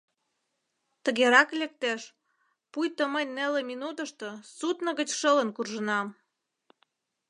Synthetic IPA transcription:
t̪ə̆ɣeɾɑklek̚t̪eʃ | pujt̪əmənʲneleminut̪əʃt̪osut̪nə̆ɣət͡ɕʃələnkurʒənɑm

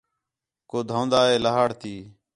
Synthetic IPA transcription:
koːd̪ʱãːnd̪aːeːlaɦaːɽt̪iː

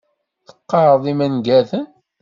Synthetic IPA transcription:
θə̥qːɑɾˤðˤimænɡæθən

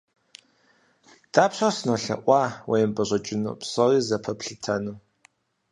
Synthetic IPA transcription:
d̥aːpɕʷɐrsɨnoːɬɐ̰ʔʷɑːwejɛmbʼɐʑʷʼɐt͡ʃʼɪno̰psɐriːzɐpʰɐpɬɨtʰɐnuː

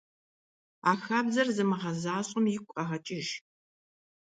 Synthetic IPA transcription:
aːxɐbzɐrzɨmɨʁɐzaːɕʼʊmjɪkʷʼqɐʁɐt͡ʃʼɪʒ

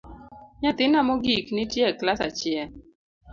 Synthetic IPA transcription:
ɲat̪ɪnamɔɡiknɪtjɛklasa̰t͡ʃjɛl

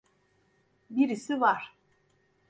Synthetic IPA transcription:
biɾisivaɾ̥

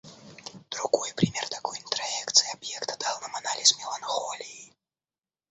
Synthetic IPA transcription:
d̪̥ɾuɣɔjpɾʲɨmʲɛrt̪akɔjint̪ɾajɛkt̪sɨjabjɛkt̪ad̪alˠnɨmanalʲismʲɛlˠanxɔlʲiji

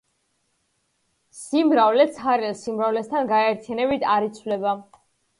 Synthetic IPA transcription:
simɾavlɛt̪sʰχaɾɛnsimɾavlɛst̪ʰanɡaɛɾt̪ʰijanɛbit̪ʰaɾit̪sʰvlɛba

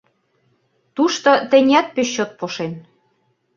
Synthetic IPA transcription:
t̪uʃt̪ot̪ɘ̆nʲæt̪̚pøɕːot̪̚poʃen

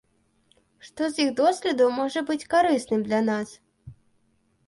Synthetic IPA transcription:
ʂt̪ɔziɣd̪ɔsʲlʲɛd̪ɐwmɔʐɐbɨt͡sʲkaɾɨsnɨmd̪lʲanas

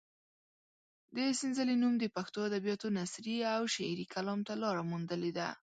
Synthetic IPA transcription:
d̪əsɪnzəlenumd̪əpaxt̪oad̪abijɑt̪onasɾiawʃaɾikʰalɑmt̪alɑɾamund̪əled̪a

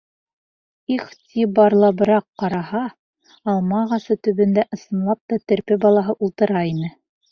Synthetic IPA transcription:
iχt̪ʲibɑɾlˠɑbɤ̆ɾɑqːɑɾɑhɑː | lˠmɑʁɑsɤt̪ɵ̆βɘ̆nd̪æʔɤ̆sɤ̆nlˠɑp̚t̪ɑt̪ɘ̆ɾpɘbɑlˠɑɦɤʔulˠt̪ɤ̆ɾɑinɘ

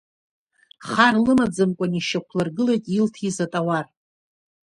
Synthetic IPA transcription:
χarlɨmad͡zɨmkʷʼaniʃakʷʰlɨrɡɨlajtʼiltʰizatʼawar

